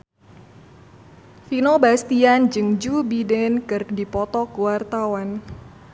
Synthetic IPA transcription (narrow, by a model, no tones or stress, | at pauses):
finobast̪iand͡ʒɨŋd͡ʒubidɛnkɨrdipɔt̪ɔkuwart̪awan